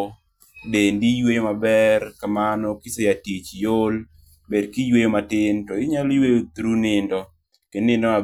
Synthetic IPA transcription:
dendijwejomabɛrkamanɔkɪsejatit͡ʃjol | bedkijwejomatɪntɔɪɲaljwejot̪ɾunɪndɔ | kɪnɪndɔma

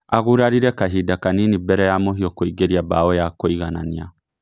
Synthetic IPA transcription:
aɣuɾaɾiɾɛkaɦidakaninibɛɾɛjamoɦiɔkoiɡeɾiabaɔjakoiɣanania̰

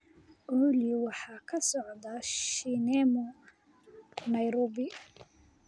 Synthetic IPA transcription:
ʔuliwɑħɑːkʰɐsɔʕd̪ɐʃinɛmɔ | nɐjɾɔːbɪ

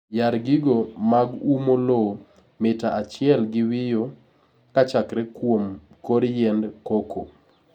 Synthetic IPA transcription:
jaɾɡiɡomaɡumolo | mɪtaʔat͡ʃɪɛlɡɪwɪjo | kat͡ʃakɾɛkwom | koɾjɛndkokʰo

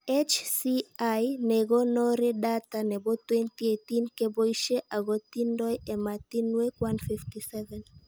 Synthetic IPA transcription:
et͡ʃsiajnɛɣɔnɔɾɛdat̪anɛbɔt̪wɛnt̪iet̪inkɛbɔiʃeʔaɣɔt̪indɔjemat̪inwekwanfiftisɛvɛn

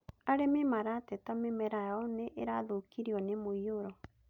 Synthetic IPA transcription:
aɾememaɾatɛtamemɛɾaɔneʔeɾa̰ðokiɾiɔnemoioɾɔ

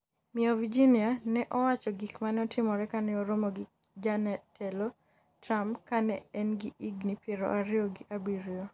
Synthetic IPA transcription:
mɪovid͡ʒinianɛʔɔwat͡ʃɔɡikmanɛɔtɪmɔɾɛkanɛɔɾomoɡi | d͡ʒanɛtʰɛlo | tɾamkanɛɛnɡiiɡnipjeɾo̰ʔaɾɪoɡɪʔabiɾio

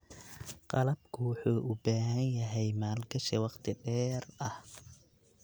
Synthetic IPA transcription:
qɑlɐbkʰʊwʊħuːʔʊbaːɦɐnjɐɦɛjmaːlɡɐʃɛwɑqt̪ʰɪɖɛːrɐh

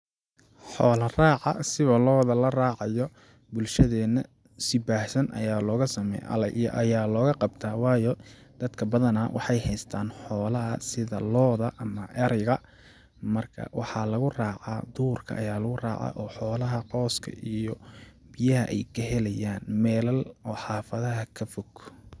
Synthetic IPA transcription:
ħɔːlɐraːʕɑ̰sɪβɐlɔːðɐlɐraːʕɑjɔ | bʊlʃɐðɛːnɐ | sɪbaːhsɐnʔɐ̰jaːlɔːɣɐsɐmɛ̰jʔɐ̰lɐʔijʔɐjaːlɔːɣɐqɑbt̪ʰaːwɑːjɔd̪̥ɐd̪kʰɐbɐðɐnɐwʔɑ̰ħɑjhɛjst̪ʰaːnħɔːlɐɦɐsɪðɐlɔːðɐʔɐmɐʔɛɾɪɣɐ | mɐrkʰɐ̰wʔɑħɑlɐɣʊraːʕɑːd̪uːrkʰɐ̰ʔɐjaːlɐɣʊra̰ːʕɑ̰ːʔɔːħɔːlɐɦɐqɔːskʰɐ̰ʔijɔ | bɪjɐɦɐ̰ʔɛ̰jkʰɐɦɛlɛjaːnmɛːlɐlɔːħɑːfɐðɐɦɐkʰɐfɔɡ

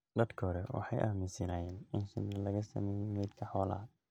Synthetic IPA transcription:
d̪ɐd̪kʰɦɔɾɛwɑ̰ħɑjʔaːmɪsɐnaːjɛːnɪnʃɪ̰nːɐlɐɣɐsɐ̰mɛːjɛmɛːd̪kʰɐħɔːla̰ː

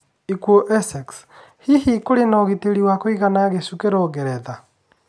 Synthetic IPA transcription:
ikuɔʔɛsɛks | hihikoɾenɔɣeteɾiwakoiɣanaɣesukeɾɔɣɛɾɛða

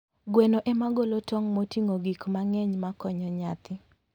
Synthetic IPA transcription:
ɡwɛnoʔɛmaɡolotɔŋmotiŋoɡikmaŋɛɲmakɔɲɔɲat̪ɪ

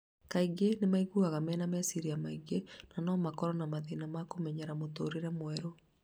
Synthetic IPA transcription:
kaiɡenemaiɣuaɣamɛːnamɛsiɾiamaiɡenanɔːmakɔɾɔnamaðinamakomɛɲɛɾamotoːɾeɾɛmwɛɾo

